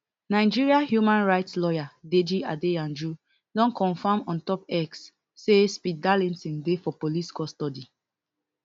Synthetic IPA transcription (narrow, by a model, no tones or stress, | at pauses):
naɪd͡ʒiɹiahjumãnɹaɪtslɔjaded͡ʒiadeãnd͡ʒɹu | dɔ̃nkɔ̃nfãmɔ̃ntɔpɛksː | espidalɛ̃nsĩndefɔpoliskɔstɔdi